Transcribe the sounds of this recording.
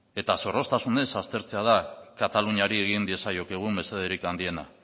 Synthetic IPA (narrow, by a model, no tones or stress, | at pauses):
e̞t̪aso̞ro̞st̪asune̞sast̪e̞ɾt͡se̞aðakat̪aluɲaɾie̞ɣ̞ind̪ie̞sajo̞keɣ̞ume̞se̞ð̞eɾikand̪ie̞na̰